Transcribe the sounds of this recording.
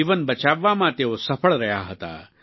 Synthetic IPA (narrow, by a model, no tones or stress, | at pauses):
iːʋənbɐt͡ʃaːʋːamãt̪eosɐpʰəɭɾɐjaːɦɐt̪a̰ː